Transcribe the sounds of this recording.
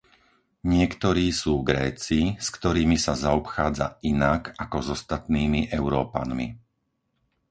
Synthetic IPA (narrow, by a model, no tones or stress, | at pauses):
ɲɪɛkt̪ɔɾiːsuːɡɾɛːt͡siskt̪ɔɾiːmisazaɔpxaːd͡za̰inakakɔzɔst̪at̪niːmiʔɛʊɾɔːpa̰nmḭ